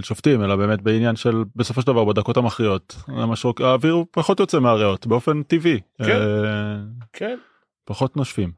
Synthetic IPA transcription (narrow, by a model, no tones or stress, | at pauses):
elʃoftime̞labe̞ːme̞tbeinjanʃe̞lbe̞sofoʃedavaʁbed̪ako̞tamaχʁijo̞tamaʃʁokaːviʁpaχo̞tjot͡semeaʁeo̞tbeo̞fe̞ntivi | kʰen | paχo̞tnoʃfim